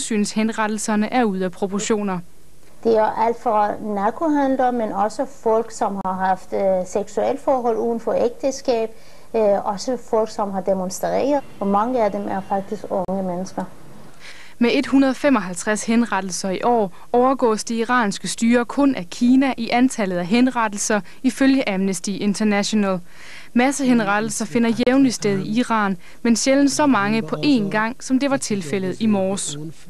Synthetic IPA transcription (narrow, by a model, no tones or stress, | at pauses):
sy̰ːnshenʁɑd̥l̩sɐnəʔæɐuð̞̰ˠæpʰʁo̝pʰɒɕo̝̰ːnɐ | d̥e̝æɐʔæl̰d̥fʁɑnækʰohænd̥ɐmːenɒ̽səfɒl̰ɡ̥sɒ̽mhɑ̈ɦɑ̈fd̥seɡ̥suel̰fɒːɦɒ̽l̰uːn̩fɒeɡ̥̚d̥əsɡ̥ɛ̰ːb̥̚ | ɒ̽səfɒ̽l̰ɡ̥sɒ̽mɦɑ̈d̥emonsd̥ɛ̰ːɐðˠɒmɑ̈ŋəæd̥emæɐfɑ̈ɡ̥̚d̥isɡ̥ɔŋəmenəsɡ̥ɐ | mee̝d̥hunɐð̞̩ˠɒfem̰ɒ̽ɦælt͡sʰʁashenʁɑ̈d̥l̩sɐiʔɒ̰ː | ɒʊɐɡ̥ɔ̰̽ːsd̥eiʁɑ̰̈ːnsɡ̥əsd̥yːɐkʰɔ̽nʔækʰiːnæʔiʔænt͡sʰælð̩ˠæɦenʁɑ̈d̥l̩sɐ | iføljəʔææmnəsd̥iʔe̝nt͡sʰɐnæɕo̝næl | mæsəɦenʁɑ̈d̥l̩sɐfe̝nɐjeʊnlisd̥eð̞ˠiiʁɑ̰̈ːn | menɕeln̩sɒ̽mɑ̈ŋəpʰɒ̽ʔe̝nɡ̥ɑ̈ŋ̰sɒ̽md̥e̝ʋɑ̈t͡sʰe̝lfel̰ð̞̩ˠimɒːs